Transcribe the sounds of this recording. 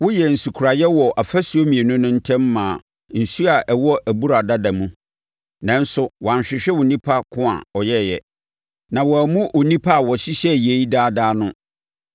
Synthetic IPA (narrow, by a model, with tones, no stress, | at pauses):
wʊ˦jɛ˨n̩˨su˨kʰu˨ɾa˨jɛ˦wɔ˨ʔa˨fæ˦su˨o˦mĩ˨e˨nʊ̃˦nʊ̃˦n̩˦tʰɛ̃˦mːãː˨ | n̩˨su˦a˨ʔɛ˨wɔ˦ʔæ˨bu˦ɾa˨da˦da˨mũ˦ | nã˨n̩˦sʊ˦wã˨ɕᶣɪ˨ɕᶣɛ˦wʊ˨nĩ˦pʰa˦kʰʊ̃˦a̰˨ɔ˨jɛ˦˨jɛ˨ | nã˨wɔ˨æ˨mũ˦ʔo˨nĩ˦pʰa˦˨wɔ˨ɕi˦ɕɛ˦˨je˦i˦daː˦daː˦nʊ̃˦